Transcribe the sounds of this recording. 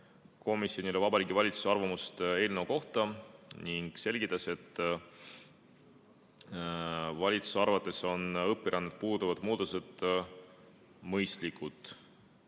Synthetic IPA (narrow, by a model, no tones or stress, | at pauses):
ko̞misjo̞nilevɑbɑɾiːɡivɑlʲit̪su̥seɑrvɑmust̪e̞ːlnəuko̞ht̪ɑniŋɡ̥se̞lʲɡ̥it̪ːˑɑse̞t̪ː | vɑlʲit̪su̥seɑɾvɑt̪ˑːe̞so̞nɤpːˑiɾʔɑnːet̪̚puːd̪uvɑd̪̥muːd̪̥ose̞d̪̥ | mɤjst̪likːˑut̪ˑ